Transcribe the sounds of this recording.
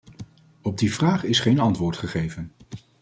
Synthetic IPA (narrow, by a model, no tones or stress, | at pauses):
ɔb̚divraːχɪsχejnɑntʋʊːɹtχəχejvən